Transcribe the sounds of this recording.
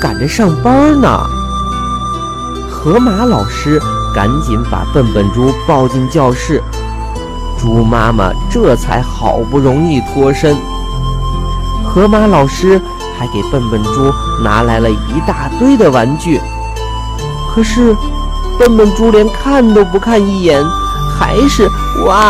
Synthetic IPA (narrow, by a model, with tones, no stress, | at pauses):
ka̰˨˩nʈ͡ʂə˦ʂɑ˥˩ŋpa˥nə̰˨ | xʰɤ˧˥ma˧˥lɑ˨˩ʊʂɻ̩˥ka̰˧˥nt͡ɕi˧˥ŋpa̰˨˩pə˥˩npə˨˩nʈ͡ʂu˥pɑ˥˧ʊt͡ɕi˥˧ŋt͡ɕjɑ˥˧ʊʂɻ̩˥˩ | ʈ͡ʂu˥ma˥mə̰˨ʈ͡ʂɤ˥˩t͡sʰa̰˧˥ɪxɑ˨˩ʊpu˥˩ɻʊ˧˥ŋi˥˩t̪ʰwɔ˥ʂə˥ŋ | xʰɤ˧˥ma˧˥lɑ˨˩ʊʂɻ̩˥ | t͡sʰa˧˥ɪke˨˩ɪpə˥˩npə˨˩nʈ͡ʂu˥ | na˧˥la˧˥ɪlə˧i˧˥t̪a˥˩t̪we˥˩ɪd̪ə˨wa˧˥nt͡ɕy˥˩ | kʰɤ˨˩ʂɻ̩˥˧ | pə˥˩npə˨˩nʈ͡ʂu˥ljɛ˧˥nkʰa˥˩nt̪o˥ʊp̬u˧˥kʰa˥˧ni˥˩jɛ˧˥n | xa̰˧˥ɪʂɻ̩˥˧ | wa˥˧˩